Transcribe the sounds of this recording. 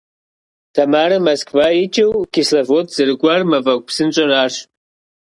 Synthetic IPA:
tʰamaɾɐmɐskʰʼvait͡ʃʰʼɪwkʲislɐvotʰʼz̥ɨrɡʷarmɐvɐk̚ʷpsɨnt͡ʃʷʼɐɾaːʂ

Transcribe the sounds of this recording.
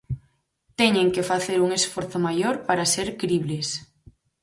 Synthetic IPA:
t̪eɲeŋkefaθeɾuŋesfoɾθomajoɾpaɾaseɾkɾiβles

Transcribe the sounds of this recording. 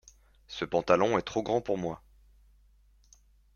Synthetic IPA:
səpɑ̃t̪alɔ̃ɛt̪χoɡʁɑ̃puʁmwa

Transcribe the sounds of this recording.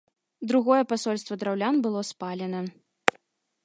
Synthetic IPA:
d̪ɾuɣɔjɛpasɔlʲst̪vɐd̪ɾawlʲanbɨlˠɔspalʲɛnɐ

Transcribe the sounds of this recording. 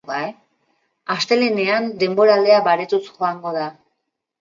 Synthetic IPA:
ae | ast̪e̞lene̞and̪e̞mbo̞ɾald̪e̞aβaɾet̪usxo̞aŋɡo̞ða

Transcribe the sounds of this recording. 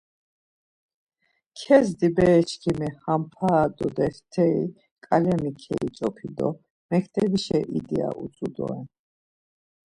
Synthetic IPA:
kʰɛzd̪ibɛːt͡ʃʰkʰimɛhampʰaːd̪ɔd̪ɛft̪ʰɛḭ | kʼalɛmikʰɛ̰it͡ʃʼɔpʰid̪ɔ | mɛkʰt̪ʰɛbiʃɛʔid̪ia̰ʔut͡s̪ʼud̪ɔ̰ɛ

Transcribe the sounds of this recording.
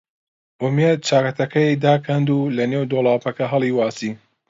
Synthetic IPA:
ʔʊmet̪̚t͡ʃʰaːkɐt̪ʰɐkʰɐid̪aːkʰɐnd̪uːlɐneːwd̪oːlˠaːpɐkɐɦɐlˠiːwaːsiː

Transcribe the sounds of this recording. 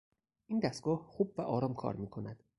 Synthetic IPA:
ʔiːnd̪æst̪ɡ̥ɒːhxuːbvæʔɒːɾɒːmkʰɒ̰ːɾmiːkʰo̞næd̪̥

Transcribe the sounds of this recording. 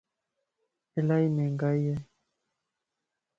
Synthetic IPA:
ɛlaimɛŋɡajɛ

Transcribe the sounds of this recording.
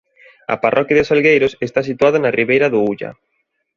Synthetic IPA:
ɐ̰parʔɔkjaðʊsalɣejɾʊsest̪asit̪uaðanarʔiβejɾɐðʊuʎɐ̰

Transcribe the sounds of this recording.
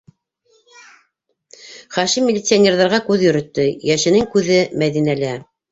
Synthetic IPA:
χæʃimʲːɪlʲɪt̪sɨanʲerðɑɾʁɑkʉðjɵ̆ɾɵ̆t̪ːɘjæʃɘ̆nɘŋkʉðɘmæðinælæ

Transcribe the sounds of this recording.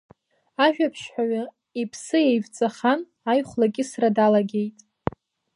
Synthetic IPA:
aʒᶣapʰʃħʷᶣaɥa | ipʰsɨjejvt͡sʼaχan | ajχʷlakʲʼɪsradalaɡʲe̞jtʼ

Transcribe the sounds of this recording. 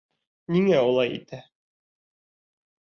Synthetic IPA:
niŋæulˠɑjḭt̪ʰæ

